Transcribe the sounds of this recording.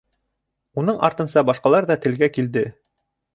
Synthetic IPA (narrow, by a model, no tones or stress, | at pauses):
unɤɴɑ̰ɾt̪ɤ̆nsɑbɑʃqɑlˠɑɾðɑt̪ɘ̆lɡækild̪ɘ